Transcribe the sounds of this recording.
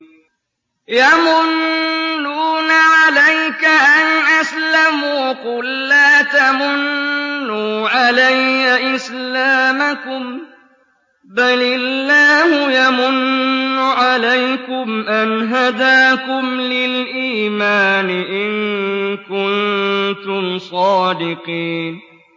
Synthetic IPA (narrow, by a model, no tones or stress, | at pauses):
jamʊnː | uːnaʕalajkaʔanʔaslamuːqʊlːaːt̪amʊnːuːʕalajkaʔɪslaːmakʊm | balɪlːaːhʊjamʊnːʊʕalajkʊmʔanɦad̪aːkʊmlɪlʔiːmaːnɪʔɪŋkʊnt̪ʊmsˤɑːd̪ɪqiːn